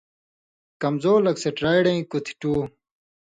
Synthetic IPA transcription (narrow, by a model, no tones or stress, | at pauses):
kɐmzoːlɐkseʈɾaːjɽɐ̃ĩkut̪ʰi̥ʈuː